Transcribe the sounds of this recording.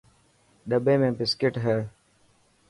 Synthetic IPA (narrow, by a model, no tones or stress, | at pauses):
ɗəbeːmẽːpɪskeʈɦeː